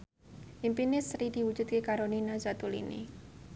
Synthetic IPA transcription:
ʔimpinɪsɾidi̤wu̥d͡ʒud̪̚kekaɾoninazat̪ulḭnḭ

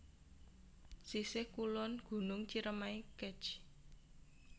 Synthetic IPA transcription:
sisɪhkulʊnɡ̥ṳnʊŋt͡ʃiɾəmaikɛ̥t͡ʃ

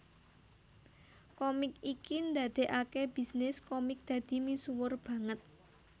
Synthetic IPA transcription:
kɔmɪkikind̪ad̪̥e̤ʔakeb̥i̤snɪskɔmɪk̚d̪̥ä̤d̪̥i̤misuwʊrb̥ä̤ŋət̪̚

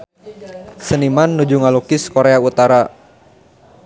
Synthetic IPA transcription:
sənimanːud͡ʒuŋalukɪskoɾeaut̪aɾa

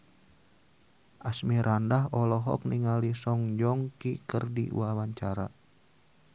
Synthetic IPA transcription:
ʔasmiɾʔandaɦɔlɔɦɔ̰k̚niŋalisɔŋd͡ʒɔŋkikərdḭwawaɲt͡ʃaɾa̰

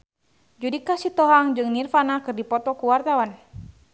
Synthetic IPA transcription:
d͡ʒudikasit̪ɔɦaŋd͡ʒɨŋnirfanakɨrdipɔt̪ɔkuwart̪awan

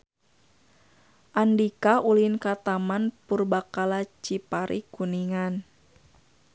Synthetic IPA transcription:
ʔandikaulinkat̪amanpurbakalat͡ʃipaɾḭkuniŋan

